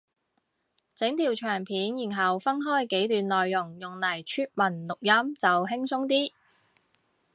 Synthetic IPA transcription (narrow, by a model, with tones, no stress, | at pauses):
t͡sɪ˨˥ŋt̪ʰiː˨˩wt͡ʃʰœː˨˩ŋpʰiː˨˥njiː˨˩nɦɐ˨wfɐ˥nɦɔː˥jke˨˥jt̪yː˨nlɔː˨jːʊ˨˩ŋjʊ˨˩ŋlɐ˨˩jt͡ʃʰyː˥t̚mɐ˨˩nlʊ˨k̚jɐ˥mt͡sɐ˨wɦɪ˥ŋsʰʊ˥ŋt̪iː˥